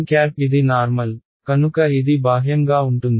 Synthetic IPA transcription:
kjaːɾpid̪inaːɾmɐl | kɐnukɐid̪ibaːɦjɐŋɡaːʊɳʈund̪

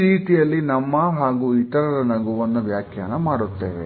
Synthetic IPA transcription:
ɾiːt̪ijɐlːinɐmːɐɦaːɡuit̪ɐɾɐɾɐnɐɡuʋɐnːuʋjaːkʰjɐnːɐmaːɽut̪ːḛːʋḛ

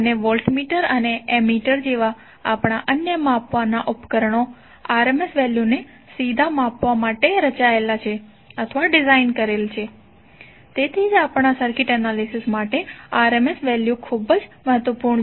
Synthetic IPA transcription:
əneʋɔlʈmiʈəɾəneemiʈəɾd͡ʒeʋa | a̰pɳ̃aʔənjəmapʋanaʔupkəɾəɳo | aɾemesʋɛljune | sid̪ʱamapʋamaʈeɾət͡ʃaelat͡ʃʰe | ət̪ʰəʋaɖizainkəɾelt͡ʃʰe | t̪et̪ʰid͡ʒapɳasəɾkiʈənalisismaʈeaɾemesʋɛljukʰubəd͡ʒməɦət̪ʋəpuɾɳ

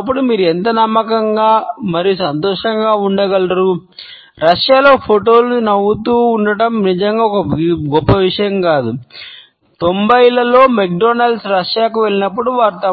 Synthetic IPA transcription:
ɐpːuɽumiːɾuɛnt̪ɐnɐmːɐkɐŋɡaːmɐɾijusɐnt̪ɔːʂɐŋɡaːuɳɖɐɡɐlɐɾu | ɾɐʂjaːlo̞ːpʰoʈo̞ːlnɐwut̪uːɳɖɐʈɐmnid͡ʒɐŋɡaːɔkɐɡɔpːɐʋiʂɐjɐmkaːd̪u | t̪o̞mbɐjilɐlo̞ːmek̚ɖoːnɐlsɾɐʂjaːkuʋe̞ɭinɐpːuɽuʋaːɾt̪ɐ

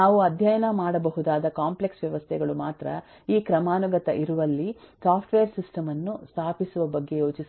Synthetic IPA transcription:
aːʋuɐd̪ʱjɐjɐnɐmaːɽɐbɐɦud̪aːd̪ɐkaːmpleksʋjɐʋɐst̪ʰɛɡɐɭumaːt̪ɾɐ | iːkɾɐmaːnuɡɐt̪ɐʔiɾuʋɐlːisaːpʰʈʋeːɾsisʈɐmɐnːust̪ʰaːpisuʋɐbɐɡːe̞jo̞ːt͡ʃis

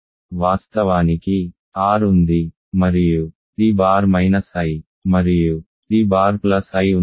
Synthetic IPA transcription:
ʋaːst̪ɐʋaːniki | aːɾund̪i | mɐɾiju | iːbaːɾmɐjnɐsaji | mɐɾiju | t̪iːbaːɾplɐsɐju

